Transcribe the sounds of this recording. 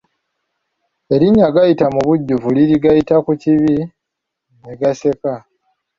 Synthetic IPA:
e̞ɾiɲaɡajitamuβuɟːuvuliɾiɡajitakuciβi | neɡase̞ka

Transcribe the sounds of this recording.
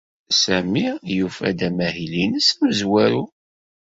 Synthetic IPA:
sæmijufæ̰d̪æmæhilinəsæmzwæɾu

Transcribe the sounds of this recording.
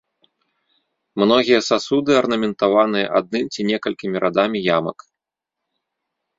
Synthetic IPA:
mnɔɣʲijɐsasud̪ɨɐrnɐmʲɛnt̪avan̪ɨjɐ̰ʔad̪̚nɨmt͡sʲinʲɛkɐlʲkʲimʲiɾʔad̪amʲijamɐ̰k

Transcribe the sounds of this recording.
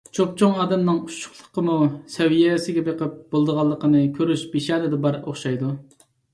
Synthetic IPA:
t͡ʃʰop̚t͡ʃʰoŋɑːd̪ɛmnɨŋuʃʊ̥χlˠə̥qəmusɛwijɛsɪɡʲɛbeqəp̚b̥olˠd̪əʁɑlˠːəqənɨkʲʰøɾyʃbeʃɑːnɪd̪ɛbɑɾoχʃɑjd̪u

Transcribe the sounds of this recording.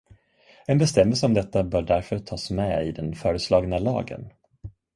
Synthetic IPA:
ɛnbɛst̪ɛmːəlsəɔmd̪ɛt̪ːabœːɖæɾfœɾt̪ʰɑːsmɛɪ̰d̪ɛnfœːɾəslɑːɡnalɑ̰ːɡə̰n

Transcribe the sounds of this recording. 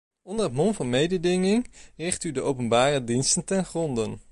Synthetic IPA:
ɔndərɦətmɔnvɑnmejdədɪŋɪŋrɪχtydəʔowpənbaːrədinstəntɛnχrɔndən

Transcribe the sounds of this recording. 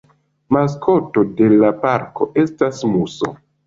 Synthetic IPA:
maskʰo̞to̞de̞lapaɾko̞ʔe̞stasmuso̰

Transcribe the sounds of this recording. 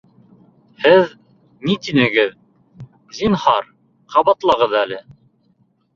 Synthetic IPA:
hɘð | nit̪inɘ̆ɡɘð | zinhɑɾ | qʰɑβɑt̪lˠɑʁɤðælɘ

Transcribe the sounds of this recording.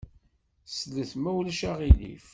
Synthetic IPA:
sələθmæwlʃaʁilḭf

